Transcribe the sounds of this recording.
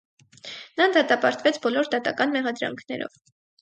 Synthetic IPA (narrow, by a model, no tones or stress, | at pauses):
nɑd̪ɑt̪ɑpɑɾt̪vɛt͡sʰbɔlɔɾd̪ɑt̪ɑkɑnmɛʁɑd̪ɾɑ̰ŋkʰnɛ̰ɾɔ̰v